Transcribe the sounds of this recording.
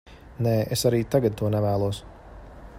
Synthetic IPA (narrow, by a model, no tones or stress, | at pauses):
nɛːʔesaɾiːt̪aɡad̪̚t̪uɔnɛvæːlˠuɔs